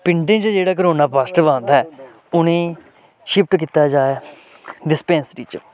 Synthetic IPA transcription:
pɪɳʈẽːt͡ʃd͡ʒeːɽaːk̬əɾoːnaːpasʈʋãːnd̪aːɛː | ʊnẽː | ʃɪp̚ʰʈk̬iːt̪aːd͡ʒaːaː | ɖɪspɛ̃ːnsɾḭːt͡ʃ

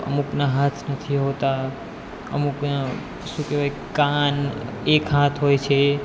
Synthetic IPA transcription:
ə̰muknaɦat̪ʰnət̪ʰiɦot̪a | ə̰mukna | ʃũkeʋaj | kan | ekɦãt̪ʰɦojt͡ʃʰe

